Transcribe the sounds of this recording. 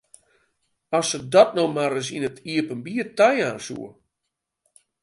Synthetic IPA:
ɔsədɔt̚nowmaɾəs̬inətiəpənbiətɛjaːnsṵə

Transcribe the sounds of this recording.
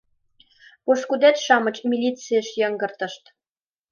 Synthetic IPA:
poʃkud̪æt̪ʃɑmɤ̆t͡ɕmʲilʲit͡sijəʃjɑŋɡɤ̆rt̪ɤ̆ʃt̪

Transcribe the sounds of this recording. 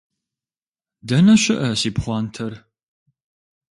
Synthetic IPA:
dɐnɐʃɪʔɐsiːpχʷɑːntʰɐr

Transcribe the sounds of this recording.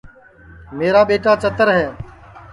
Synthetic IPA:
meːɾaːɓeːʈaːt͡ʃət̪əɾɦɛː

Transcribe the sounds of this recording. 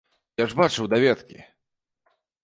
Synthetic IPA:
jaʐbat͡ʂɨwd̪avʲɛt̪kʲḭ

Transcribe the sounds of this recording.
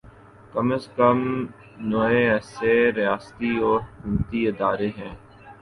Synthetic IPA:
kəməskəm | noːẽɛːseɾɪjaːst̪iɔːɾkʊmt̪iɪd̪aːɾeɦɛ̃ː

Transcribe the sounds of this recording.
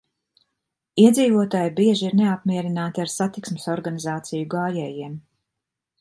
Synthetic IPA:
iɛd̪ziːvuɔt̪aːjbiɛʒiiɾneapmiɛɾinaːt̪aɾsat̪iksmɪsɔɾɡanizaːt̪sijuɡaːjɛːjiɛm

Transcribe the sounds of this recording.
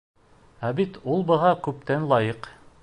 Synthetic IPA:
æbit̪ulˠbɤ̆ʁɑkʉp̚t̪ænlˠɑjɤq

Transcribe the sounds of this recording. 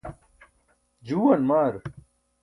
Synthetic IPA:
d͡ʑuːwɐnmaːɾ

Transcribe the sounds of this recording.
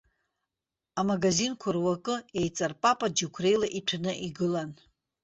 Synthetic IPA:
amaɡazinkʷʰarwakʼɨejt͡sʼarpʼapʼad͡ʒikʷʰre̞jlaʔitʷʰanɨʔiɡɨlan

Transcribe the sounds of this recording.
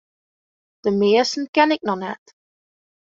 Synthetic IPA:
ð̥əmeəsən̩kænɪk̚nɔnɛ̰t

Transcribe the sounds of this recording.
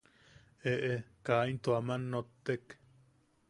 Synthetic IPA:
eʔekaint̪oamanːot̪ːek

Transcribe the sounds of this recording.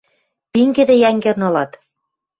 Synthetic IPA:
piŋɡĕd̪ĕjæŋɡĕrnŏlɑt̪

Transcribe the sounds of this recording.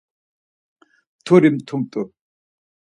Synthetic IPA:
t̪ʰoɾimt̪ʰumt̪ʼɔ

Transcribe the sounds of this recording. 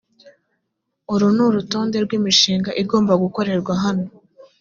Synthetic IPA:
uɾunuɾuto̞ːnde̞ɾɡwiːmiʃiːŋɡaʔiɡo̞ːmbaɡuko̞ɾe̞ɾɡwaɦano

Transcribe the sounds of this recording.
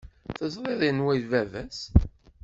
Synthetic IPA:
θəzˤɾˤeðˤənwæjvævæs

